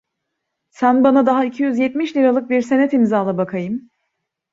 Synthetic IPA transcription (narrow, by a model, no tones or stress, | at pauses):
sænbanad̪aɦaicʰijyzjɛt̪miʃlʲiɾalˠɯk̚biɾse̞nɛt̪imzaːlˠabakʰajɯm